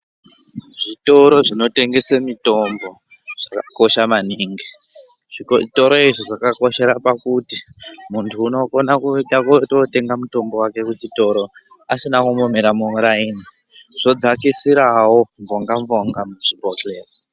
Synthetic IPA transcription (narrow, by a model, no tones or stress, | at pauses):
ʐito̞ɾo̞ʐino̞te̞ŋɡesemito̞mbo̞ | ʐ̥akako̞ʃamaniːŋɡi | ʐto̞ɾo̞iʐiʐakako̞ʃe̞ɾapakutimuntʰuːno̞ko̞nakuɗakotote̞ŋɡamuto̞mbo̞wake̞kut͡ʃito̞ɾo̞ | asinakumome̞ɾamuuɾaini | ʐ̥o̞d͡zakisiɾawo̞ɱvoŋɡaɱvo̞ŋɡamuʐibʱokleːro